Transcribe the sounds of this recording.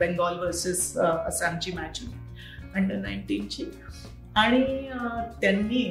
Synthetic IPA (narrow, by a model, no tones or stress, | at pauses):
bɛ̃ŋɡɔlʋəɾsesəsãmt͡ɕiːmat͡ɕui | əɳɖənaiɳʈiːnt͡ɕiː | aɽ̃it̪janːiː